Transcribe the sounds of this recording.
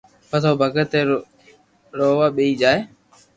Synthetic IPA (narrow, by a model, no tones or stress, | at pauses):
pət̪ʰoːbʱəɡət̪e | ɾoːʋaːɓeiːd͡ʒaːeː